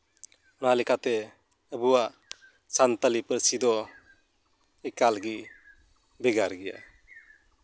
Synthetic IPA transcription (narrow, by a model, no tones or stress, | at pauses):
ɔnalikat̪e | əbuwa | sant̪alipəɾsid̪ɔ | ekalɡi | beɡaɾɡija̰